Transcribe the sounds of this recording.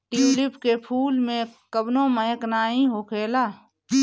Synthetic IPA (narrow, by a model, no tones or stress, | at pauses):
ʈiːlɪpkepʰuːlmẽkəbnõməjəknaːĩɦoːkʰeːlaː